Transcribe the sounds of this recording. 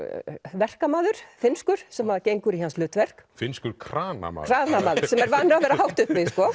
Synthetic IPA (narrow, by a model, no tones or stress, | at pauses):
vɛr̥kamaːðʏɾ̥fɪnskʏɾ̥sɛmhaðacejŋkʏɾihanslʏːt̪vɛr̥kfɪnskʏɾkʰɾaːna̰ma̰kʰɾaːnamaːðʏ̥sɛmɛɾvanːɾavɛːɾaɦawht̪ʏhpvɪskɔ